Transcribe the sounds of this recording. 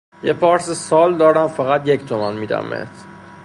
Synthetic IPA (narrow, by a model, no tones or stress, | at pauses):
jepʰɒːɾsesɒːld̪ɒːɾæmfæɣæt̪ject̪ʰomænmiːd̪æ̰mːḛs